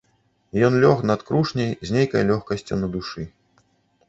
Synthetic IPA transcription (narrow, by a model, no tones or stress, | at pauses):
jɔnlʲɔxnɐt̪kɾuʂnʲɐjzʲnʲejkɐjlʲɔxkɐsʲt͡sʲṵnɐd̪uʂɨ